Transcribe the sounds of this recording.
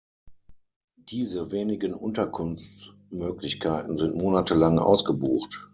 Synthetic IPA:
d̥iːzəveːnɪɡənʔʊ̰ntɐkʰʊnft͡s | møːklɪçkʰaɪtn̩zɪntmoːnatʰəlaŋʔa̰ʊsɡ̥əbuːxt

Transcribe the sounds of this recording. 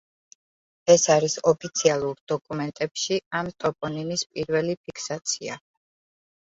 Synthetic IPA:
ɛsaɾisɔpʰit̪sʰialˠuɾd̪ɔkʼumɛnt̪ʼɛpʃiamt̪ʼɔpʼɔninispʼiɾvɛlipʰikʰsat̪sʰia̰

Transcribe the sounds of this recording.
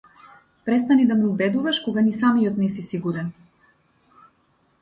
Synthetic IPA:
pɾɛst̪anid̪amɛubɛd̪uvaʃkɔɡanisamijɔt̪nɛsisiɡuɾɛn

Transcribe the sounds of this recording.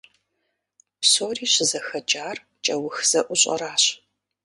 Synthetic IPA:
psoːriːɕɪzɐxɐt͡ʃʼaːr | t͡ʃʼɐwʊxz̥ɐʔʷʊɕʼɐ̰ɾaːɕ

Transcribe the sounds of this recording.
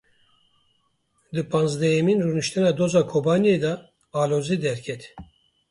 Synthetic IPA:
d̪ɨpʰanzd̪ɛjeminɾunɨʃt̪ʰɛnad̪ozaːkʰobanijejd̪ɑ | aːloːzid̪ɛɾcʰɛt̪

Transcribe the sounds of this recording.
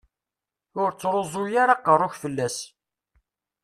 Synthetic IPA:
ʊɾt͡sːɾˤozˤʊjaɾɑqərˤːʊçfəlːæs

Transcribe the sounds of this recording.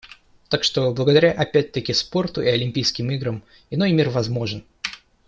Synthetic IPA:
t̪akʂt̪o̞blˠəɡəd̪ɐɾʲaʔɐpʲæt̚ʲt̪əkʲɪspo̞rt̪ʊʔɪɐlʲɪmʲpʲijskʲɪmiɡɾəm | ɪno̞jmʲirvɐzmo̞ʐɨn

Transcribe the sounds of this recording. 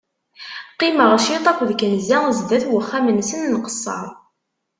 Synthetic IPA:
qːɪməʁʃit̪ˤɑkʷðəkənzæzd̪æθwəχːæmənsənːqə̥sˤːɑ̰ɾˤ

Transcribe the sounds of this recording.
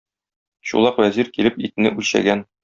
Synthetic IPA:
ɕṵlˠɑqwæziɾkilɘpit̪ɘ̆nɘʔʉlɕæ̰ɡæn

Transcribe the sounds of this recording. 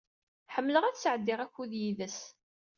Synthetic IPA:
ħəmːləʁæθsʕəd̪ːɪʁæçːuðjiðəs

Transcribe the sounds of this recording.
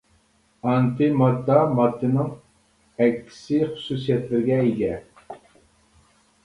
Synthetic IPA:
ɑnt̪ʰɨmɑd̪ːɑmɑd̪ːɨnɪŋ | ɛkʲʰːi̥sɪχʊ̥susijɛt̪lɪɾɡʲɛiɡʲɛ

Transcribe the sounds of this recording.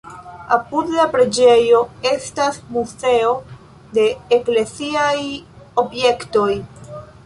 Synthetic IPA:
apudlapɾe̞d͡ʒe̞jo̞e̞stasmuze̞o̞ | de̞ːkle̞siaj | o̞bje̞kto̞j

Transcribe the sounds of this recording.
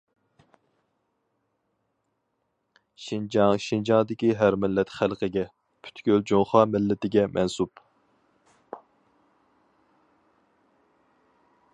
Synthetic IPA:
ʃind͡ʒɑŋʃind͡ʒɑŋd̪ɪkʲiɦæɾmɪlːɛt̪χælˠqʰəɡʲɛ | pʰy̥t̪ʰɡʲøld͡ʒoŋχɑːmɪlːɪt̪ɪɡʲɛmʔɛnsup

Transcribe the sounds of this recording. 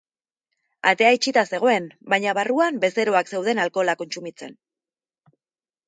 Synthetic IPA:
a̰t̪e̞ajt͡ʃit̪ase̞ɣ̞o̞e̞mbajɲaβ̞aruambe̞se̞ɾo̞akse̞wð̞e̞nalko̞lako̞nt͡sumit͡se̞̰n

